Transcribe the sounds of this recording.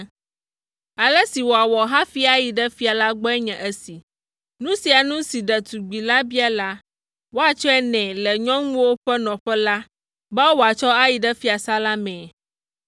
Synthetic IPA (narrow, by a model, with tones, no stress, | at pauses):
a˨lə˦si˨wo˨a˨wɔ˨ɦã˦fi˦a˦ji˨ɖɛ˦fi˦a˨la˦ɡ͡bɔ˦ɛ˦ɲɛ̃˨ʔə˦si˨ | nũ˦si˨a˨nũ˦si˨ɖɛ˨t̪u˨ɡ͡bi˨la˦bi˦a˦la˦ | wo˦a˨t͡ʃɔ˦ɛ˦nɛ̃˨lɛ˨ɲɔ̃˦ŋũ˦wo˦ɸɛ˦nɔ̃˨ɸɛ˦la˦ | ba˦wo˨a˨t͡ʃɔ˦a˦ji˨ɖɛ˦fi˦a˨sa˦la˦mɛ̃˨